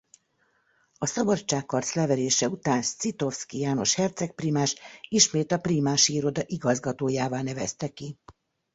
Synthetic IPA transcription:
ɒsɒbɒt͡ʃːaːkːɒrt̪slɛvɛɾeːʃɛut̪aːnst̪sit̪o̞fskijaːno̞̰ʃhɛrt̪sɛk̚priːmaːʃiʃmeːt̪ɒpriːmaːʃiiɾo̞d̪ɒʔiɡɒzɡɒt̪oːjaːvaːnɛvɛst̪ɛki

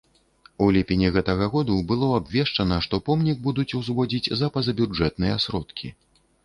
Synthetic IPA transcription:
ulʲipʲɛnʲiɣɛt̪ɐɣɐɣɔd̪ubɨlˠɔabvʲɛʂt͡ʂɐnɐʂt̪ɔpɔmnʲiɡ̚bud̪ut͡sʲuwzvɔd͡zʲid͡zʲzɐpɐzɐbʲud͡ʐɛt̪nɨjɛasɾɔt̪kʲi

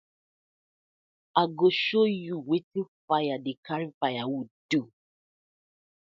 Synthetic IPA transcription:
aɡoʃojuwetifajadikʰaɾifajawidu

